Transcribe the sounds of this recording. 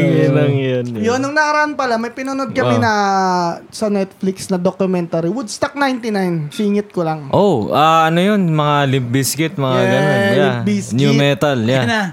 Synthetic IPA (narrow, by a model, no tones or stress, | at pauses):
ŋinɐŋjɐnjonːʊŋnɐkɐɾɐʔanpɐlamɐjpɪnonod̪kɐmɛnɐ | sɐnɛt̪̚flɪksnɐd̪okjʊmɛnt̪aɾiwʊd̪st̪ak̚najnt̪inajnsiːŋɪt̪̚kolɐŋʔoʔaɐnojonmɐŋalɪb̚biskɪt̪̚mɐŋaɡɐnonjabisnumɛt̪ɐljana